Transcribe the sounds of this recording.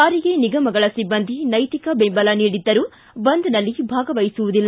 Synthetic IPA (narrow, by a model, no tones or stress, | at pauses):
aːɾiɡeːniɡɐmɐɡɐɭɐsibːɐnd̪ʱinɐjt̪ikɐbembɐlɐniːɽid̪ːɐɾuː | bɐnd̪unɐlːibʱaːɡɐʋɐjsuʋud̪ilː